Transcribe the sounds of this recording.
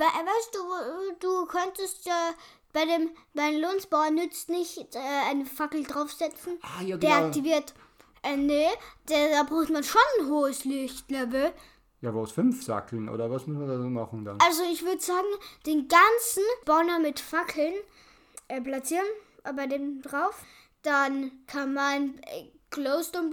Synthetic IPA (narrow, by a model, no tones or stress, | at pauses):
b̥aɪʔvaɪstd̥uːd̥uːkʰœntəstjaː | b̥aɪdeːmb̥aɪəloːnsb̥aʊɐnːʏt͡stnɪçtʔɛːʔaɪnəfakl̩dʁaʊfz̥ɛt͡sn̩ajad̥eːɐʔaktiviːɐt | ʔɛnəd̥adaːbʁuːxtmanʃonnɦoːəslɪçtlɛbl̩ | jaːvaʊsfʏnfz̥a̰kʰl̩nʔo̰ːdɐvasmʊsmandaːoːmaχn̩d̥a̰nalzoɪçv̥ʏɐdəzaːɡŋ̩d̥eːnɡant͡sn̩b̥ɔʊnɐmɪtfakʰl̩n | ʔɛːplat͡siːʁənʔbaɪdeːmdʁaʊf | d̥ankʰanmankloʊstʊm